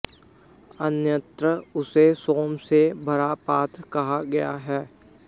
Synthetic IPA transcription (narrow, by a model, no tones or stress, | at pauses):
ənjə̃t̪ɾəʊsesoːmsebʱɐɾapaːt̪ɾkɐɦaɡɐja̰ɦɛː